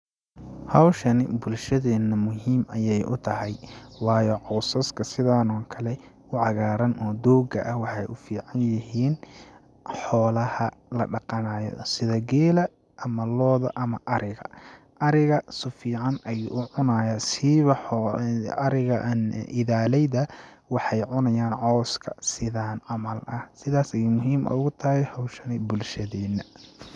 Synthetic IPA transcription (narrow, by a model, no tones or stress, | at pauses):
hɐwʃɐnɪbʊlʃɐðɛːnːɐmʊɦiːmɐjɛjʔʊ̰t̪ʰɐɦɛjwɑːjɔʕɔːsɐskʰɐsɪðaːnɔːŋkʰɐlɛ | ʊʕɑɣaːɾɐnʔɔːd̪ɔːɡɐʔɐhwɑħɑjʔʊfiːʕɑnjɪɦiːn | ħɔːlɐhɐlɐɖɑqɑnaːjɔ̰sɪðɐɡɛːlɐ | ʔɐmɐlɔːðɐ̰ʔɐmɐʔɐɾɪɣɐ̰ | ʔɐɾɪɣɐsʊfiːʕɑnʔɐjuʔʊʕʊnaːjɐsiβɐ | ɐɾɪɣɐʔnʔɪðaːlɛjðɐwɑħɑjʕʊnɐjaːnʕɔːskʰɐsɪðaːnʕɑmɐlʔɐhsɪðaːsɐjʊmʊɦiːmʔɐ̰ʊɣʊt̪ʰɐhɛjhɐwʃɐnɪbʊlʃɐðɛːnɐ